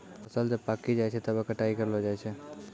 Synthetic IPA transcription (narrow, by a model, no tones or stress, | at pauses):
əsəld͡ʒəbpakid͡ʒajt͡ʃʰɛt̪əbekəʈaikəɾlod͡ʒajt͡ʃʰɛ